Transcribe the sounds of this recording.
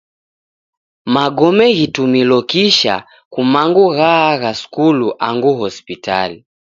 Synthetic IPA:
maɡɔmɛɣitumilɔkiʃa̰ | kumaŋɡuɣaːɣaskuluʔaŋɡuɦɔspita̰li

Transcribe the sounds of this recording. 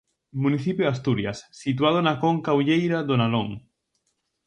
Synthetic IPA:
mũniθipjoast̪uɾjasːit̪̬wað̞onakoŋkawʎejɾaðonaloŋ

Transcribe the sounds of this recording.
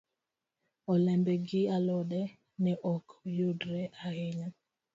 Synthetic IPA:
ɔlɛmbɛɡɪalɔɗɛ | nɛʔɔkjodɾɛʔaheɲa

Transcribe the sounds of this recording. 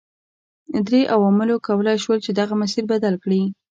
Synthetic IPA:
d̪ɾeʔawamɪlokawalajʃwəlt͡ʃed̪aɣamas̬iɾbad̪alkɽi

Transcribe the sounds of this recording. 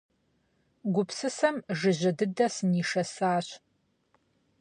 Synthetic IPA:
ɡʷʊpsɨsɐmʒɨʑɐdɨdɐsɨniːʂɐsaːɕ

